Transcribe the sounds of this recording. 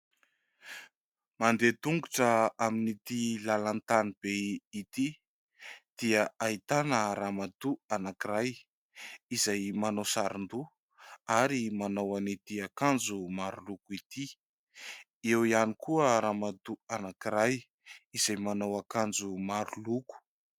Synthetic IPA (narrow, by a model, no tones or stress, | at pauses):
mand̪et̪uŋɡuʈ͡ʂəaminit̪ilalant̪anib̥eit̪i | d̪̥iəait̪anəɾamad̪uanakiɾaj | izajmanosaɾund̪u | aɾimanawanit̪iakand͡zumaɾulukuit̪i | ewianikuəɾamad̪uanakiɾaj | iz̥ajmanawakand͡zumaɾuluku̥